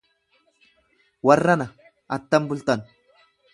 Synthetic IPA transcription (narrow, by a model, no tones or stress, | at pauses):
wɐrːɐnɐ | ʔɐt̪ːɐmbʊlt̪ɐn